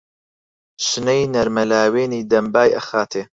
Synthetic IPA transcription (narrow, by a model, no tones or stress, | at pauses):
ʃɨnɐjnɐɾmɐlaːweːniːd̪ɐmbaːjʔɐ̰xaːt̪ʰeː